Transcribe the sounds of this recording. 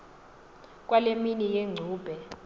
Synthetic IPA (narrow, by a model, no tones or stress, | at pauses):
k̬ʼwaleminik̬ʼeŋ͡ǀʱuːb̥ʱɛ